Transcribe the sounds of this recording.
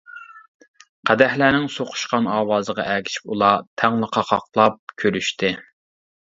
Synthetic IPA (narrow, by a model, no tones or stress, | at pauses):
qʰæd̪ɛhlæːnɪŋsoqʰʊ̥ʃqɑnɑːwɑːzəʁɑ̰ʔækʲʰi̥ʃi̥pulˠɑt̪ʰæŋlˠəqʰɑqʰɑ̰qlˠɑp̚kʲʰøɾyʃt̪ɪ